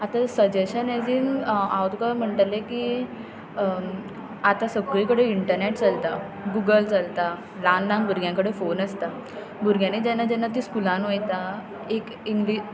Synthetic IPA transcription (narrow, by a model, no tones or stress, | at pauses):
at̪asəd͡ʑeɕəned͡ziːmawt̪kəm̤əɳʈleki | at̪asəɡijkəɽeiɳʈəɾneʈt͡salt̪a | ɡuɡəlt͡salt̪a | lanlãŋbʱuɾɡʱjãŋkəɽefonəst̪a | bʱuɾɡʱjãnid͡ʑanːad͡ʑanːat̪iːskulãnʋojt̪a | ek | iŋɡli